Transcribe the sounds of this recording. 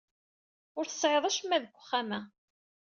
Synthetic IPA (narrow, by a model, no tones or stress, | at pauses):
ʊɾθə̥sˤʕeðˤæʃmːæðəɡʷːəχːamæ